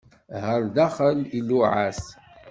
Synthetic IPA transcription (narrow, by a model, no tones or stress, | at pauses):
həɾd̪aχəliluʕas